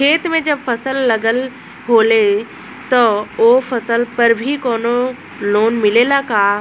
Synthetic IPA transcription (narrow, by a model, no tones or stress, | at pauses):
kʰeːt̪mẽd͡ʑɐbfɐsəlːɐɡəl | ɦoːle | t̪ɐofɐsəlpɐɾbʱikoːno | loːnmɪlelakaː